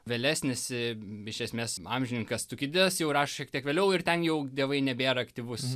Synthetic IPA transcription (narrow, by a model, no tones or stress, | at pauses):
ʋʲɛlʲæːsʲnʲɪsɪɪʃʲɛsʲmʲeːsɑːmʲʒʲɪnʲɪŋkɐst̪ʊkʲɪd̪ʲɪɐsjɛʊrɑːʃoʃʲiɛktʲiɛkʋʲeːlʲɛʊɪrt̪ʲɛnjɛʊd̪ʲiɛʋɐɪnʲɛbʲeːɾɐɐktʲiʋʊs